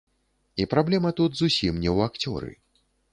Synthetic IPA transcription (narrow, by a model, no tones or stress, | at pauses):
ipɾablʲɛmɐt̪ut̪zusʲimnʲɛwakt͡sʲɔ̰ɾɨ̰